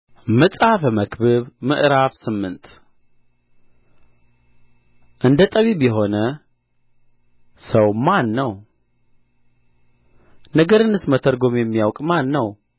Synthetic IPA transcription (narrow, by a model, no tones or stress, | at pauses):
mɨsʼafməkβɨβmɨ̰ʔɾafsɨmːɨnt̪ʰ | ʔɨnd̪ət̪ʼəβibjɛɦo̞nə | səwmanːəw | nəɡəɾɨnːɨsmət̪ʰəɾɡo̞mjɛmːijawkʼmanːəw